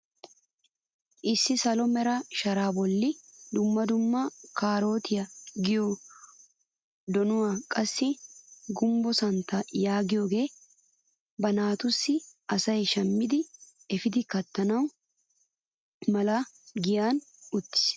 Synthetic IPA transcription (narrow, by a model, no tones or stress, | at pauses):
ʔɪsːɪsɐlɔmɛɾɐʃɐɾaːbɔlːɪd̪ʊmːɐd̪ʊmːɐkaːɾo̞ːt̪ʰɪjɐɡɪjo | d̪ɔnʊwaːkʼɐsːɪɡʊmbɔsɐnt̪ːɐjaːɡɪjoːɡe̞ː | bɐnaːt̪ʊsːɪɐsɐjʃɐmːɪd̪ɪ | ɛfɪd̪ɪkɐt̪ːɐnɐw | mɐlɐɡɪjaːnʊt̪ːɪ̥s